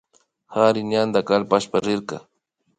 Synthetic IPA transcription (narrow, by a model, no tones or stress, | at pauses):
haɾɪnjand̪akalpaʃpaɾɪɾka̰